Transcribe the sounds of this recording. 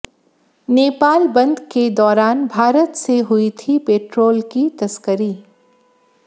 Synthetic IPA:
neːpaːlbɐ̃nd̪ʱked̪ɔːɾaːnbʱaːɾət̪seɦʊit̪ʰipeːʈɾoːlkit̪ɐskəɾi

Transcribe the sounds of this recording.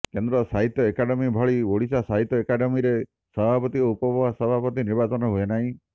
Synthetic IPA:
kend̪ɾɔsaɦit̪jɔekaɖemibʱɔɭioɭisasaɦit̪jɔekaɖemiɾe | sɔbʱapɔt̪iupɔbʱɔbasɔbʱapɔt̪iniɾbat͡ʃɔnɔɦuenaɦĩ

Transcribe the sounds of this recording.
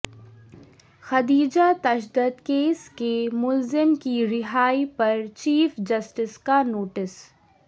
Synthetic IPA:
xɐd̪iːd͡ʒat̪ɐʃd̪əd̪keːskemʊlzɪmkiɾɪɦaːipɐɾt͡ʃiːfd͡ʒɐsʈɪskanoːʈɪs

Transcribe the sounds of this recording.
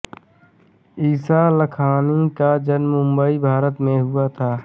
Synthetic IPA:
iːsaləkʰaːnikad͡ʒənmːʊ̃mbəibʱaːɾət̪mẽɦuat̪ʰaː

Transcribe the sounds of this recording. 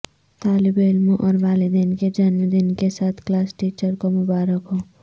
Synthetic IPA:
t̪alibelmuʔɔɾbaːlid̪enked͡ʒanmed̪inkesat̪ʰklaːsʈiːt͡ʃəɾkomʊbaːɾəkɦo

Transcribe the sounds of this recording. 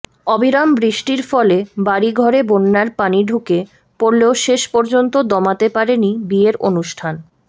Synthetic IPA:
ɔbiɾambɾiʃʈiɾfɔlebaɾiɡʱɔɾebonːaɾpaniɖʱuke | poɾleoʃeʃpɔɾd͡ʑont̪od̪ɔmat̪epaɾenibieɾʔo̰nuʃʈʰan

